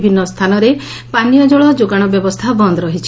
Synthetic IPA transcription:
bʱinːɔst̪ʰanɔɾe | panijɔd͡ʒɔɭɔd͡ʒoɡaɽ̃ɔbjɔbɔst̪ʰabɔnd̪ɔɾɔɦit͡ʃʰi̥

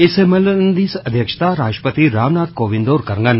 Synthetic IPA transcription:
ɪsemɐlənd̪iːsɐd̪ʱjɐkʃt̪aɾaːʃʈəpət̪iɾaːʋnaːt̪̚koːʋɪ̃nd̪oːɾkɐɾŋɡən

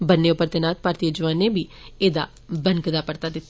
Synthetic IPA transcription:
bənːeːʊpːəɾt̪eːnaːt̪̚paːɾt̪iːjoːd͡ʒʋaːnẽːbiːeːd̪a̰ː | bəŋkd̪aːpəɾt̪aːd̪ɪt̪ː

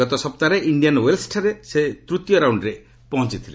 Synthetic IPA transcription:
ɔt̪ɔsɔp̚t̪aɾeʔiɳɖijanwelsʈʰɾeset̪ɾut̪jɔɾawɳɖɾe | pɔɦɔ̃nt͡ʃit̪ʰile

